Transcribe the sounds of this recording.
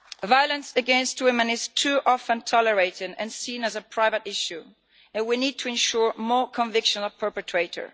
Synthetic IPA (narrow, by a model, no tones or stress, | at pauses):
vaɪələ̃nsɨɡɛ̃nst̚wɪmɨ̃nɪz̥tʰuʔɑfə̃ntʰɔləɹeɪɾɪdɨ̰̃nsĩnɨzəpʰɹ̥aɪvəɾɪʃʉ | ɨ̃nwinid̚tʰɨɨ̃nʃuɹmɔɹkʰə̃ɱvɪkʃə̃nˠpʰɜ˞pɨtʰɹ̥eɪɾə̰˞